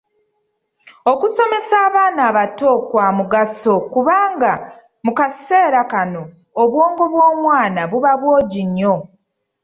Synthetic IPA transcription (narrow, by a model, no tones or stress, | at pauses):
okuso̞me̞saːβaːnaːβato̞kwaːmuɡaso̞kuβaːŋɡa | mukase̞ːɾakano̞ː | βwo̞ːŋɡo̞βwo̞ːmwaːnaβuβaβwo̞ːɟiɲːo̞